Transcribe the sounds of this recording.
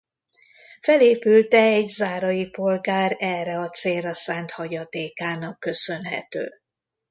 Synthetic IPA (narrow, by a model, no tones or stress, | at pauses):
fɛleːpylt̪ɛɛɟzaːɾɒjipo̞lɡaːɾɛːrɛɒt̪seːlrːɒsaːnt̪hɒɟɒt̪eːkaːnɒkːø̞sø̞nɦɛ̰t̪ø̰ː